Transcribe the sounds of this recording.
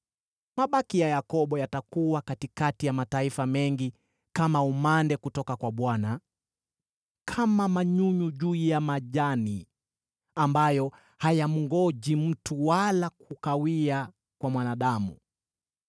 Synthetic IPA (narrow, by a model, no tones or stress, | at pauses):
maɓakijajakɔɓɔjatakuwakatikatijamataifamɛŋɡi | kamaumandɛkutɔkakwaɓwana | kʰamamaɲuɲuʄujamaʄani | ambajɔ | hajam̩ŋɡɔʄim̩tuwalak̚ukawia | kwamwanaɗamu